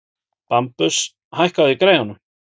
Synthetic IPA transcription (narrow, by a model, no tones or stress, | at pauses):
pampʏs | hajhkawðɪikɾeːjɣanʏm